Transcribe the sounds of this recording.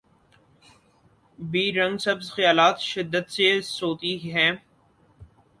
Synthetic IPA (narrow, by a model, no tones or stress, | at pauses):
biːɾɐ̃ŋɡsɐbzxjaːlaːt̪ʃɪd̪ːət̪sesoːt̪iɦɛ̃ː